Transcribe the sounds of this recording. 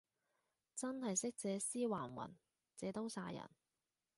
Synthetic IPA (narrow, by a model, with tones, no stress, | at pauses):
t͡sɐ˥nhɐ˨jsɪ˥k̚t͡sɛː˨˧siː˥waː˨˩nwɐ̰˨˩n | t͡sɛː˨˧t̪o˥wsaː˧jɐ̰˨˩n